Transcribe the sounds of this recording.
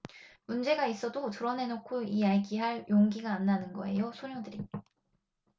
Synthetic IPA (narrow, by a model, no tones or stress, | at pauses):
mund͡ʑe̞ɡais͈ʌdotɯɾʌne̞nokʰoiaeɡiɦaɭjoŋɡiɡaːnːanɯnɡʌe̞̰josʰoɲodɯɾia